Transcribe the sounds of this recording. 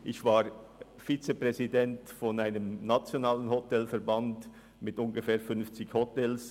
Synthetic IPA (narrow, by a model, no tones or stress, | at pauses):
ʔɪçv̥aːʁ | fit͡sepʁ̥ɛzidɛntfɔnaɪnəmnat͡sjonaːlənhɔtʰɛlfɛɐband | mɪtʊnɡəfɛːɐfʏnft͡sɪçhɔtɛls